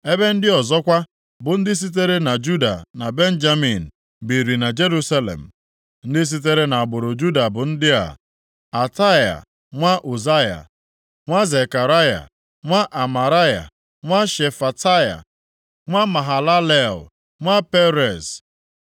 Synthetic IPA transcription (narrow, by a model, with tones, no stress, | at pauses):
e˦be˦n̩˦dɪ˦ɔ˨zɔ˦kʷa˦ | bʊ˨n̩˦dɪ˦s̬i˦t̬e˦ɾe˦na˨d͡ʒu˦da̰˨na˨be˦n˦d͡ʒa˦mi˨n̩˨ | bi˨ɾi˨na˨d͡ʒe˦ɾu˦sa˦lḛ˨m̩˨ | n̩˦dɪ˦s̬i˦t̬e˦ɾe˦na˨a˨ɡ͡bʊ˨ɾʊ˨d͡ʒu˦da˨bʊ˨n̩˦dɪ˦a̰˨ | a˨ta˦ja̰˨ | ŋʷa˦ʔo˨za˦ja̰˨ | ŋʷa˦ze˨ka˨ɾa˦ja̰˨ | ŋʷa˦ʔa˨ma˨ɾa˦ja̰˨ | ŋʷa˦ʃe˨fa˨ta˦ja̰˨ | ŋʷa˦ma˨ɦa˨la˦le˨l | ŋʷa˦pe˦ɾe˨z